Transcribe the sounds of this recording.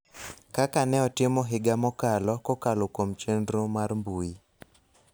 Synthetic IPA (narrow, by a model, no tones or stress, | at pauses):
kakanɛɔtɪmɔɦɪɡamɔkalɔkɔkalokomt͡ʃendɾomarmbui